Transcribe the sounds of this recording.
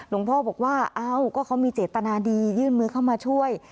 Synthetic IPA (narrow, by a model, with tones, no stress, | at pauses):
lo˧˩˦ŋpʰɔː˥˩bɔː˨˩k̚waː˥˩ʔaː˧˩wkɔː˥˩kʰa˦˥wmiː˧t͡ɕeː˨˩t̪ːa˧naː˧diː˧jɯː˥˩nmɯː˧kʰa˥˩wmaː˧t͡ɕʰu˥˩əj